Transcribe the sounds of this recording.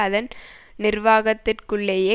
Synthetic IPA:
ɐðɐn | nɪrʋaːɣɐt̪ːɪrkɯɭːejeː

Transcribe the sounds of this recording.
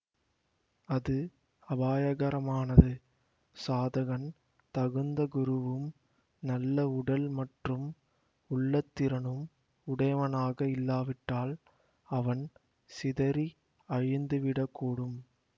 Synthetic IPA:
ɐðɯ | ɐbaːjɐɣɐɾɐmaːnɐðɯ | saːðɐɣɐn | t̪ɐɣɯnd̪ɐɡʊɾɯʋɯm | nɐlːɐʊɽɐlmɐʈrɯm | ʊɭːɐt̪ːɪɾɐnɯm | ʊɽɐjʋɐnaːɣɐɪlːaːʋɪʈːaːl | ɐʋɐn | sɪðɐɾi | ɐɻɪnd̪ɯʋɪɽɐkːuːɽɯm

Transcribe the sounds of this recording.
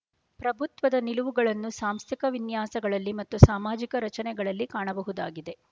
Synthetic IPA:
pɾɐbʱut̪ʋɐd̪ɐniluʋuɡɐɭɐnːusaːmst̪ʰikɐʋinjaːsɐɡɐɭɐlːimɐt̪ːusaːmaːd͡ʒikɐɾɐt͡ʃɐnɛɡɐɭɐlːikaːɳɐbɐɦud̪aːɡid̪e̞

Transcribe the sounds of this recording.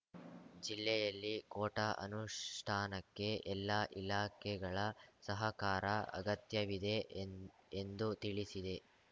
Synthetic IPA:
d͡ʒilːɛjɐlːikoːʈɐʔɐ̰nuʂʈʰaːnɐkːe̞ʔɛlːaʔilaːkʰɛɡɐɭɐsɐɦɐkaːɾɐɐ̰ɡɐt̪jɐʋid̪e̞ | end̪ut̪iɭisid̪e̞

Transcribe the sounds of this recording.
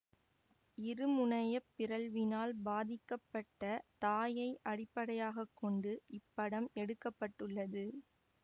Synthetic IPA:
ɪɾɯmʊɳɐjɐpːɪɾɐɭʋɪnaːlbaːðɪkːɐpːɐʈːɐt̪aːjɐɪʔɐɽɪpːɐɽɐjaːɣɐkːɔɳɖɯʔɪpːɐɽɐmɛɽɯkːɐpːɐʈːɯɭːɐðɯ

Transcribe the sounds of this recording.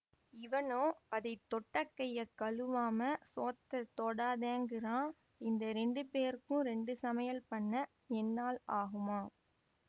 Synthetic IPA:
ɪʋɐnoːɐðɐɪt̪ːɔʈːɐkːɐjɐkːɐɭɯʋaːmɐsoːt̪ːɐt̪ɔɽaːðeːŋɡɪrãː | ɪnd̪ɐɾɛɳɖɯpeːɾkɯʊ̃ɾɛɳɖɯsɐmɐjɐlpɐɳːɐ | ɛnːaːlaːɣɯmaː

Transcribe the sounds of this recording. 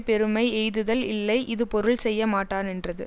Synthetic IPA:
pɛɾɯmɐɪɛjðɯðɐlɪlːɐɪʔɪðɯpɔɾɯɭsɛjːɐmaːʈːaːnɛndrɐðɯ

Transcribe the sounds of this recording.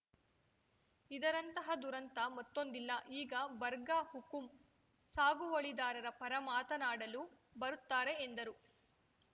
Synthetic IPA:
id̪ɐɾɐnt̪ɐɦɐd̪uɾɐnt̪ɐmɐt̪ːond̪ilːɐʔiːɡɐbɐɾɡahukum | saːɡuʋɐɭid̪aːɾɐɾɐpɐɾɐmaːt̪ɐnaːɽɐlu | bɐɾut̪ːaːɾe̞ːnd̪ɐɾu

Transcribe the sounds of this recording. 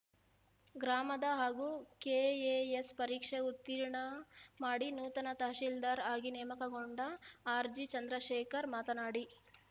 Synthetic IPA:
ɡɾaːmɐd̪ɐɦaːɡuːkeːeːespɐɾiːkʂeut̪ːiɾɳɐmaːɽinuːt̪ɐnɐt̪ɐɦʃild̪aːɾaːɡinɛːmɐkɐɡoɳɖɐaːɾd͡ʒit͡ʃɐnd̪ɾɐʃeːkɐɾmaːt̪ɐnaːɽi

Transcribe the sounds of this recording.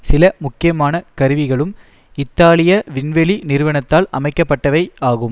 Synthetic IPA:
sɪlɐmʊkːɪjɐmaːnɐkɐɾɯʋɪɣɐɭɯm | ɪt̪ːaːlɪjɐʋɪnʋɛlinɪɾɯʋɐɳɐt̪ːaːlɐ̰mɐɪkːɐpːɐʈːɐʋɐɪaːɣɯm

